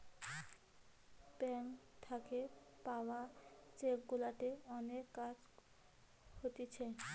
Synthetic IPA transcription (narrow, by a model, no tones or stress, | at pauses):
bɛŋt̪ʰake | paoat͡ɕekɡulaʈeɔnekːad͡ʑ | hot̪et͡ɕʰe